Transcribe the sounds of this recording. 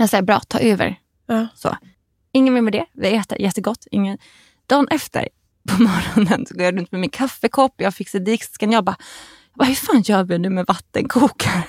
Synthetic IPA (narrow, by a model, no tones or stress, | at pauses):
jasɛjəbɾɑ̰ːt̪ʰɑ̰ːʔøːvə̰ɾ | so̰ː | ɪŋːənvɪlmɛd̪ɛvɪ̰ɛːt̪a̰jɛt̪ːəɡɔt̪ːɪ̰ŋːən | d̪̥ɑːnʔɛft̪ə̰ɾ | pʰɔmɔɾɔnənsɔɡoːjaɾɵnt̪mɛmɪnkʰafːɛkʰɔpːjɑːɡfɪkːsɛd̪ɪkskanjɑba | jɑɡbaːhɵɾfaːnɕœːvɪnʉ̟ːmɛvat̪ːə̰nkʰuːk